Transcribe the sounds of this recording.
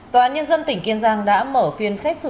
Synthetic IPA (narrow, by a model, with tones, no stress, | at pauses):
t̪waː˨˦ɲə˧nzə˧nt̪ï˧˩ŋ̟ki˧ənzaː˧ŋɗa̰ː˧˥məː˧˩fi˨˧˩ənsa˦˥k̚sɨ˧